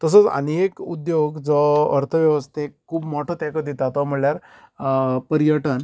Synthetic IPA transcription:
t̪əs̬ət͡sa̰nekud̪joɡd͡zɔəɾt̪ʰəʋjəʋəst̪ʰeːuːbmoʈʰot̪ɛkəd̪it̪at̪ɔm̤əɽljaɾ | pəɾijəʈən

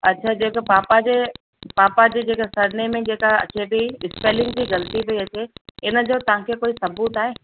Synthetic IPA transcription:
ɐtːʃʰaːd͡ʑeːkəpaːpad͡ʑeː | paːpad͡ʑed͡ʑeːkasɐɾnemẽd͡ʑeːkaɐ̰t͡ɕebʱiɪspeːlɪ̃ŋɡd͡ʑiːɣɐlt̪iʋɐiɐt͡ɕeɪnə̆d͡ʑoːt̪ɐʋ̤ãkʰekoːisɐbuːt̪aːɦeː

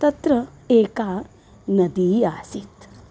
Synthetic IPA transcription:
t̪ɐt̪ɾɐ | eːkaː | nɐd̪iːjaːsit̪

